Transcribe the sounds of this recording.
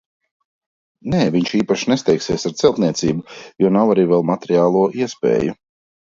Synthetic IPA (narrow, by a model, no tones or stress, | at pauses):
nɛːviɲʃiːpaʃnest̪ɛjksiɛːsaɾt̪sɛlˠt̪niɛt̪siːbujɔnawaɾiːvɛlˠmat̪eɾiaːlˠuɔʔiɛspɛ̰ːju